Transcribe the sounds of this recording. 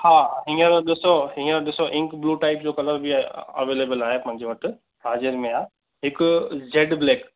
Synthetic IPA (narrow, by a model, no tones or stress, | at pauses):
hãːɦĩːə̃ɾoɗɪsoɦĩːɾoɗɪsoʔɪ̃ŋkbluːʈaːɪp̚d͡ʑokɐləɾbʱiə̰ʋeːleːbəlaːɦepɐ̃ɦɪ̃ɲd͡ʑeʋɐʈʰ | ɦaːzɪɾmẽaː | ɦɪkʊd͡ʑeɖbleːk